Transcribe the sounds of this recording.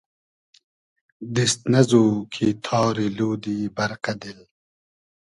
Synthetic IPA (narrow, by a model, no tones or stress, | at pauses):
d̪ist̪nɐzuːkʰit̪ʰɑːɾiluːd̪iːbɐɾqɐd̪il